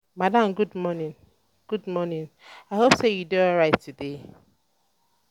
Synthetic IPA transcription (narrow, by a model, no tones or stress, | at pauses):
madãmɡudmɔnĩn | ɡ̥udmɔnĩnaɪɦopsejudoɔɹaɪtːude